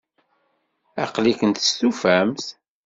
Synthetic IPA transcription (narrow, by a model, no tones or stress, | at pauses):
æ̰qlikənt̪ə̥st̪ufæmθ